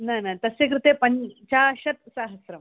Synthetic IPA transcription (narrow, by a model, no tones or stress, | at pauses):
najnajt̪ɐsek̬ɾɪt̪epɐɲt͡ɕaɕɐt̪̚saːɦɐsɾɐm